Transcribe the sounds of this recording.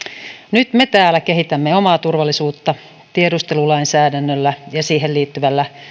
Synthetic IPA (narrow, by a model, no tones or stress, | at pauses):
nyt̪me̞t̪æːlːæke̞ɦhit̪æmːeomɑːt̪urʋɑlːˑisuːt̪ːɑ | t̪iedust̪elulɑinsæːdænːølːæjɑsiːɦeliːt̪ːyʋælːæ